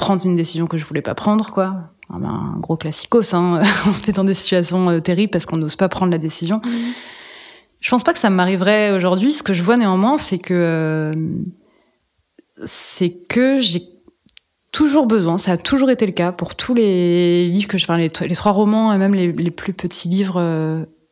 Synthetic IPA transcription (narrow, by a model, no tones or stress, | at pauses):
pχɑ̃d̪ʁynd̪esizjɔ̃kəʒəvulɛpa̰pχɑ̃d̪ʁəkwa | ɛ̰̃bɛ̰̃ɡʁoklasi̥kosɛ̃øɑ̃sə̥mɛd̪ɑ̃d̪esi̥t̪ɥasjɔ̃øt̪eʁiblpaʁsə̥kɔ̃noz̥papχɑ̃d̪ʁlad̪esizjɔ̃ | ʒ̥əpɑ̃spakə̥samaʁivʁɛoʒuʁd̪ɥisə̥kəʒəvwaneɑ̃mwɛ̃sɛkəøm | sɛkəʒe | t̪ʰuʒuʁbəzwɛ̃saːt̪ʰuʒuʁet̪eləkapuʁt̪ʰulelivʁkəʒəfɛ̃lelet̪χwaʁɔmɑ̃emɛmleleplypət̪ʰilivʁø